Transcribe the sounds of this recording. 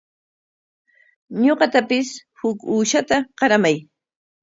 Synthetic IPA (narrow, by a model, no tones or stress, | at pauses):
ɲoɢɑt̪apɪshʊkuːʃat̪aqɑɾamaj